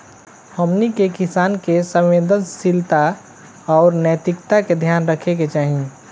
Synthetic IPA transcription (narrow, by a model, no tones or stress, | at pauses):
hɔːmnikekɪsaːnkesə̃wweːd̪ənsɪlt̪a | ɔːɾnət̪ɪkt̪aked̪ʱjaːnɾəkʰeket͡ʃaːɦĩ